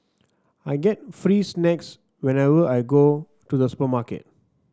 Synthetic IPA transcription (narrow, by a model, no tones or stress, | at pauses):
ajɡɛt̚fɹiːsnɛks | wɛ̃nɛvəʔajɡo | tudəsu̥pəmakḛt̚